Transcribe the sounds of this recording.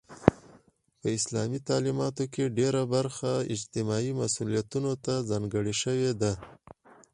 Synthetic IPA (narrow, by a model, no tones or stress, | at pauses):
pəɪslɑmit̪ɑlimɑt̪okeɖeɾabaɾxaɪ̰d͡ʒt̪ɪmɑimasulijat̪unot̪azɑŋɡəɽiʃəwed̪a